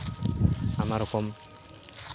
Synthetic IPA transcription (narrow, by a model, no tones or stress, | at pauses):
amaɾɔkɔm